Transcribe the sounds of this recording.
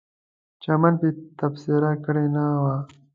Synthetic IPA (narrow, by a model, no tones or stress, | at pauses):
t͡ʃɐmɐnpit̪ɐfsiɾakɐɽenawaː